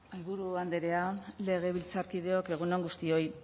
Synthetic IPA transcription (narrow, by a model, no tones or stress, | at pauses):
alβuɾuand̪eɾe̞ale̞ɣ̞e̞β̞ilt͡saɾkið̞e̞o̞ke̞ɣ̞unoŋɡust̪io̞j